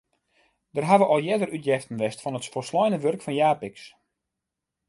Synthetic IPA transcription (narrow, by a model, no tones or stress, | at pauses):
dərɦaʋəʔɔlˠjɛdərytjɛftən̩ʋɛstfɔnətfɔlˠslɔjnəʋørkfɔnjaːpɪks